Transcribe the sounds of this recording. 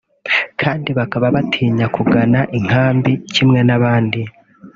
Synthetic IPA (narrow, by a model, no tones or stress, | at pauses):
kʰaːndiβakaβaβatʰiːɲakuɡanaʔiŋ̥haːmbicimŋe̞naβaːndi